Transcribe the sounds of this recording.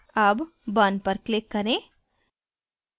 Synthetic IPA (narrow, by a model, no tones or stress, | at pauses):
aːb | baːnpɐɾklɪkːɐɾẽː